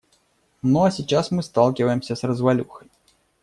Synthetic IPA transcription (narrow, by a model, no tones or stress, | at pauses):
nɔɐsʲit͡ʂasmɨst̪alˠkʲivɐjɛmsʲɐsrɐzvalʲuxɐj